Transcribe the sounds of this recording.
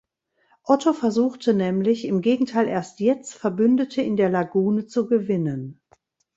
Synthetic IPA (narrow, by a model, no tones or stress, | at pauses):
ʔɔtʰofɛɐzuːxtənɛːmlɪçɪmɡeːɡŋ̩tʰaɪlʔeːɐstjɛt͡stfɛɐbʏndətʰəɪndeːɐlaɡuːnət͡suɡəvɪnən